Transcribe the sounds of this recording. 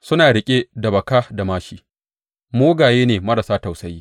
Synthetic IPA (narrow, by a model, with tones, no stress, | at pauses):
sʊ˦naː˨ɽɪ˦kʲʼe˦dɐ˨bɐ˨kaː˦da˨maː˦ʃiː˦ | moː˦ɡaː˨jeː˦neː˨mɐ˦ɾa˨saː˦ta˨wsɐ˦jiː˦